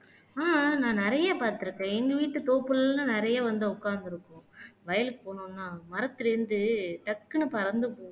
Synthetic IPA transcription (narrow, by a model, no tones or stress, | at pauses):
aːnãːnɪɾɐjaːpaːɾt̪ɯɾɯkːɛ̃ːɛŋɡɐʋiːʈːɯt̪oːpːɯlnɯnɪɾɐjaːʋɐnd̪ɯʊkːaːnd̪ɯɾɯkːʊ̃ʋɐjɐlpoːɳʊ̃ːnːaːmɐɾɐt̪ːɯlɪɾɯnd̪ɯʈɐkːɯnɯpɐɾɐnd̪ɯpoː